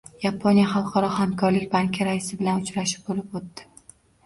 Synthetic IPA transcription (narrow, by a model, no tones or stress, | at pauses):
japʰonjaχɑlˠqʰɒɾɒhamkʰɒɾlɪkʲbaŋkʲʰɪɾaɪsɪbɪlanʊt͡ʃɾaʃɪ̥p̚bolɪp̚ot̪ːɪ̥